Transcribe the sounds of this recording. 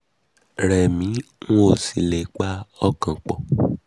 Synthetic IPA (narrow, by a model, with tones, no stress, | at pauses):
ɾɛ˨mĩ˨˦ŋũ˦o˦˨si˨le˨k͡pa˦ɔ˦kã˨k͡pɔ˨